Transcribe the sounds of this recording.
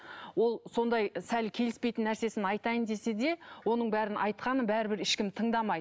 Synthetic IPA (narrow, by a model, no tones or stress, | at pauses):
wo̞lˠso̞nd̪ɑjsælkʲʰe̞lɪspe̞jt̪ɪnːæɾse̞sɪnɑjt̪ɑjənd̪e̞se̞d̪e̞wo̞nəɴbæɾɪnʔɑjt̪̚qɑnəbæɾɪbɪɾɪʃkʲɪmt̪ʰəɴd̪ɑmɑjd̪ə